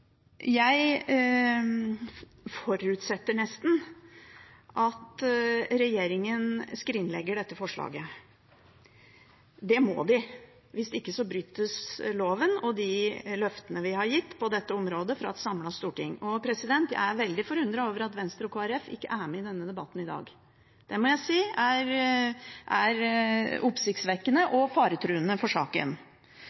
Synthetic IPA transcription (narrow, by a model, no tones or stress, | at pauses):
jæɪ | fɔɾʉt̪sɛt̪ːəɳɛst̪n̩ | ʔɑt̪ɾɛjeːɾɪŋənskɾɪnlɛ̰ɡːəɖɛt̪ːəfɔʂɭɑ̰ːɡə | d̪ɛmɔ̰ːd̪ɪ | ʋɪsd̪ɛɪkːəsɔbɾyːt̪ːəsloːʋənɔd̪ɪlœft̪ənəʋɪhɑɾjɪt̪ːpɔd̪ɛt̪ːəɔmɾoːd̪əfɾɑ̰ɑt̪sɑmlɑst̪uːʈɪŋːɔpʰɾɛsɪd̪ɛnt̪jæ̰ɪæʋɛld̪ɪfɔɾʉnd̪ɾɑoːʋəɾɑt̪ʋɛnst̪əɾɔkʰoːæɾɛfɪ̰kːə̰ʔæmɛɪd̪ɛnːəd̪ɛbɑt̪ːnɪd̪ɑ̰ːɡ | d̪̥ɛmɔjæɪsiːæɾ | ʔæɾʊpsɪkt̪sʋɛkːənəʔɔfɑːɾət̪ʰɾʉːənəfɔʂɑ̰ːkə̰n